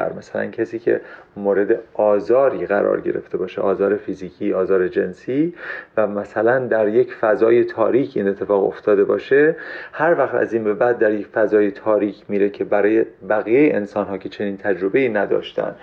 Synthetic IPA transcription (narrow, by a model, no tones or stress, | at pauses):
ɾmæsælæ̰ncʰæsiːcʰe̞̰moːɾe̞d̪e̞ɒːzɒːɾiːɣæɾɒ̰ːɾɟe̞̰ɾe̞̰ft̪e̞bɒːʃeʔɒːzɒːɾe̞fiziːcʰiːɒːzɒːɾed͡ʒe̞nsiːvæmæsælænd̪æɾje̞cʰfæzɒːje̞t̪ʰɒ̰ːɾiːcʰiːne̞t̪ʰːe̞fɒːɣo̰ft̪ʰɒːd̪e̞bɒ̰ːʃehæɾvæxt̪æ̰ziːnbe̞bæd̪̚ːæɾjekfæzɒːje̞t̪ʰɒːɾiːkʰmiːɾe̞cʰe̞bæɾɒːjebæɣiːjejeʔensɒːnɦɒːcʰe̞t͡ʃʰe̞niːnt̪ʰæd͡ʒɾo̞be̞iːnæd̪ɒ̰ːʃt̪æ̰n